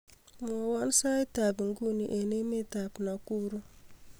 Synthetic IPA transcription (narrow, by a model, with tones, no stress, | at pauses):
mo˨wa˦n˦sa˦i˦ta˨bi˨ŋ˦ɡu˦ni˨ʔe˨ne˦me˦ta˨pna˨ku˦ɾu˦